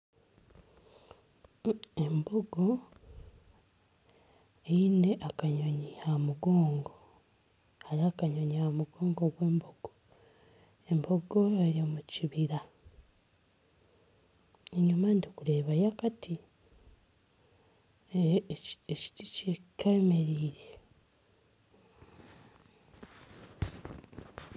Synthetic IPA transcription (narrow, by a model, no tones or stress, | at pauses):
emboɡo̞ | eine̞ʔakaɲoɲihamuɡoːŋɡo | haɾiakaɲoɲihamuɡoːŋɡoɡwe̞ːmboɡ̥o | emboɡoeɾiomuciβiɾa | eɲumandikule̞βajakati | eci̥ticekameɾiːɾe